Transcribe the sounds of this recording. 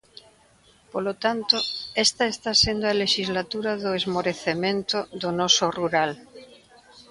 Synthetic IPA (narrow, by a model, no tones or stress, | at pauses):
polot̪ant̪oest̪aest̪asend̪oaleʃizlat̪uɾaðoezmoɾeθemẽnt̪oðonosoruɾal